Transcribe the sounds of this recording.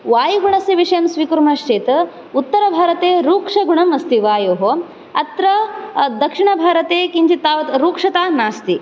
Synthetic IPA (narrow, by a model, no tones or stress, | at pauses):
ʋaːjiɡuɳɐsiʋiʂɐjɐmsʋikuɾmaʂt͡ʃeːt̪ɐ | ut̪ːɐɾɐbʱaːɾɐt̪eːɾuːkʂɐɡuɳɐmɐst̪iʋaːjoːɦo | ɐt̪ɾɐd̪ɐkʂiɳɐbʱaːɾɐt̪eːkiɲt͡ʃit̪ːaːʋɐt̪ɾuːkʂɐt̪aːnaːst̪i